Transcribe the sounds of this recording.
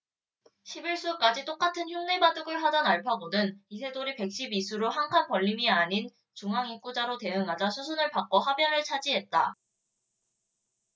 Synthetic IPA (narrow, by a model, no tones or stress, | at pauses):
ɕʰibiɭs͈uk͈ad͡ʑit͈ok͈atʰɯnçjumnebadɯɡɯɭɦad͡ʑʌnaɭpʰʌbonɯnisʰe̞doɾipe̞k̚ɕ͈ibisʰuɾoɦaŋkʰanpʌʎːimiaɲin | t͡ɕuŋɦaŋik͈ud͡ʑaɾote̞ɯŋad͡ʑasʰusʰunɯɭpak͈ohabjʌnɯɭt͡ɕʰad͡ʑiɦe̞t̚t͈a